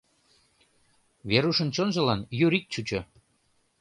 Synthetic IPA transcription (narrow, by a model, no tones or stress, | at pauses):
βeɾuʃə̆nt͡ɕonʒə̆lɑnjyɾik̚t͡ɕut͡ɕo